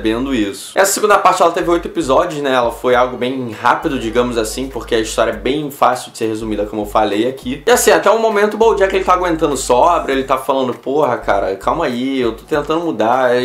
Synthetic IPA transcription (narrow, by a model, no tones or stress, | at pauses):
bẽnd̪ʊisʊ̥ɛsɐseɡũnd̪ɐpaht͡ʃɪɛlɐt̪evɪojt̪ʊepizɔd͡ʒiʊʃnɛɛlɐfojawɡʊbẽj̃hapid̪ʊd͡ʒiɡɐ̃mʊzasĩpoχkeɐiʃt̪ɔɾjɐɛbẽj̃fasiwd͡ʒɪseɾɦezumid̪ɐkõmʊewfalejakʰiɪasĩat̪ɛũmomẽnt̪ʊbõd͡ʒiɐkɪelɪt̪aaɡwẽnt̪ɐ̃nd̪ʊsɔbɾɪelɪt̪avɐfalɐ̃nd̪ʊpohɐkʰa̰ɾɐ̰kʰawmaiewt̪o̥t̪ẽnt̪ɐ̃nd̪ʊmud̪a